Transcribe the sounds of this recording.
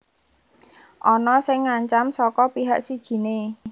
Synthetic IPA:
ʔɔnɔsɪŋːaɲt͡ʃamsɔkɔpiɦa̰ksid̥ʒ̥i̤ne

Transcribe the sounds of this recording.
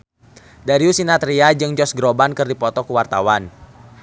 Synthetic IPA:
daɾiusinat̪ɾiad͡ʒɨŋd͡ʒɔsɡɾɔbankɨrdipɔt̪ɔkuwart̪awan

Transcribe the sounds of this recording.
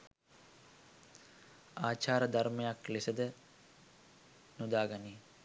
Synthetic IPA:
aːt͡ʃaːɾəd̪aɾmejaklisəd̪ə | nud̪aːɡaniː

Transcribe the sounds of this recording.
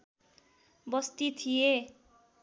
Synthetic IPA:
bʌst̪it̪ʰije

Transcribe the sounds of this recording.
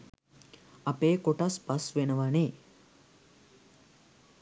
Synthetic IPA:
apeːkoʈaspasʋenəʋaneː

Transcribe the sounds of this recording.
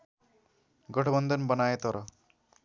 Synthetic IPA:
ɡʌʈʰʌbʌnd̪ʱʌnbʌnaet̪ʌɾʌ

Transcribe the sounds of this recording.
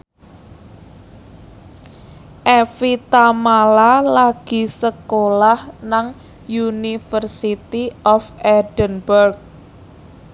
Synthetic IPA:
ʔɛfit̪amalalaɡ̥i̤səkolahnaŋ | junifərsit̪iʔɔfɛdənbərɡ̚

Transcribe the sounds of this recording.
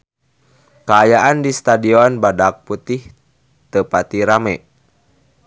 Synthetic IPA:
kaːjaʔandist̪adiɔnbadak̚put̪ɪh | t̪əpat̪iɾamɛ

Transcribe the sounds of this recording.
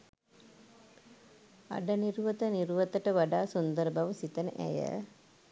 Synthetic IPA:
ɐ̰ɖəniɾuʋət̪əniɾuʋət̪əʈəʋaɖaːsund̪əɾbaʋəsit̪ənəʔæ̰jə̰

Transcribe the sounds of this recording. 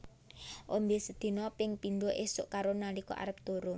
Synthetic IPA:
ʔombesəd̪̥i̤nɔpɪŋpind̪oʔesʊʔkaɾonalikɔ̰ʔa̰ɾəp̚t̪oɾʊn

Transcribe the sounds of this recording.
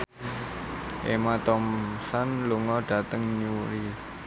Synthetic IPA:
ʔemat̪ɔmsanluŋɔɖ̥a̤t̪əŋɲuɾi

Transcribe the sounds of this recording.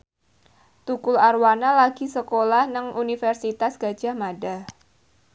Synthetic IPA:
t̪ukʊlarwanalaɡ̥i̤səkolahnaŋʔunifɛrsit̪asɡ̥ad̥d͡ʒ̥a̤hmada

